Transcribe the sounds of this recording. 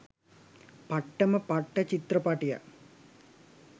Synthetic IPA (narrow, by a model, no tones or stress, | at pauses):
pɐʈːɐmɐpɐʈːɐt͡ɕit̪rɐpaːʈijɐ̰